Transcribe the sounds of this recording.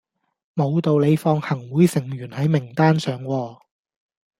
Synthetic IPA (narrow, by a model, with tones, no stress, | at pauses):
mo˨˧wt̪o˨wle˨˧jfɔː˧ŋhɐ˨˩ŋwuː˨˥jsɪ˨˩ŋɥyː˨˩nhɐ˨˥jmɪ˨˩ŋt̪aː˥nsœː˨ŋwɔː˧